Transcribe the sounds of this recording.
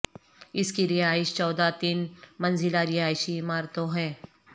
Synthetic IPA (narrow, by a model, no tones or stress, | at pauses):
ɪskiɾɪɦaːɪʃt͡ʃɔːd̪at̪iːnmɐnzɪlaɾɪɦaːɪʃiːmaːɾt̪õɦɛ̃ː